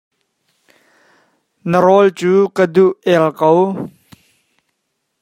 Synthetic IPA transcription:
nəɾɔlt͡suːkəduʔɛlkɔw

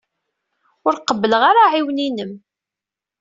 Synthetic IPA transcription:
ʊɾqəbːələʁaɾaʕiwninəm

